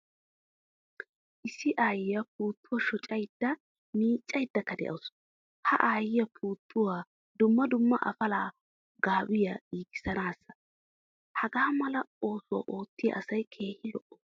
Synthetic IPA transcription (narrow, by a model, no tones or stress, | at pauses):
ʔɪsːɪʔaːjɪjɐpuːt̪ʰːʊwɐʃɔt͡ʃʼɐjd̪̥ːɐ | miːt͡ʃʼːɐjd̪ːɐkːɐd̪ɛ̰ʔɐ̰ws | hɐʔaːjɪjɐpʰuːt̪ʰːʊwaː | d̪ʊmːɐd̪ʊmːɐʔɐ̰fɐlaː | ɡaːwɪjɐiːɡɪ̥sɐnaːsːɐ̥ | hɐɡaːmɐlɐo̞ːsʊwa̰ːʔo̞ːt̪ːɪjɐ̰ʔɐsɐjkʰe̞ːhɪlɔʔːɔ̥